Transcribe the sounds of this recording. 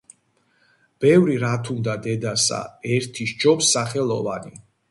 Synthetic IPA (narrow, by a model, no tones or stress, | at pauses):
b̥ɛvɾiɾat̪ʰumd̪ad̪ɛd̪asa̰ɛɾt̪ʰiʃd͡ʒɔpsːaχɛlˠɔvani